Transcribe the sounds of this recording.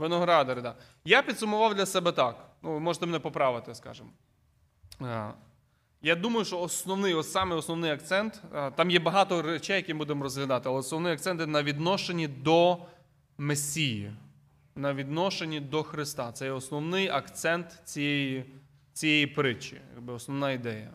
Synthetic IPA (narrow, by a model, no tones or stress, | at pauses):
ʋɪnɔɦɾɑd̪ɐɾɪd̪ɑ | japʲid̪sʊmʊʋɑwd̪lʲɐsɛbɛt̪ɑknuʋmɔʒet̪ɛmnɛpɔpɾɑʋɪt̪ɪskɑ̰ʒɪm | jad̪umɐjʊʃt͡ʃɔːsnɔwnɪjɔsɑmɪɔsnɔwnɪjɐk̚t̪sɛnt̪t̪ɑmjɛbɐɦɑt̪ɔɾet͡ʃɛjɐkʲimbud̪emɔɾɔzɦlʲɐd̪ɑt̪ɪɐlˠɛɔsnɔʋnɪjɐkt̪sɛnt̪jɛnɐʋʲid̪nɔʃenʲid̪ɔ | mesʲːiji | nɐʋʲid̪nɔʃenʲːid̪ɔxɾɪst̪ɑt̪sɛjɛɔsnɔwnɪjɐkt̪sɛnt̪t͡sʲijɛji | t͡sʲijɛjipɾɪt͡ʃḭjɐ̰ɡ̚bɪɔsnɔʋnɑid̪ɛjɐ